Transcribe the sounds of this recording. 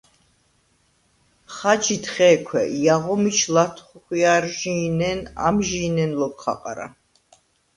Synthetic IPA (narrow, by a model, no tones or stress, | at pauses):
χad͡ʒit̪ʰχɛːkʰwɛ̰ʔjaʁɔmit͡ʃʰlat̪ʰχuχiaɾʒiːnɛna̰mʒiːnɛnlɔkχa̰qʼa̰ɾa̰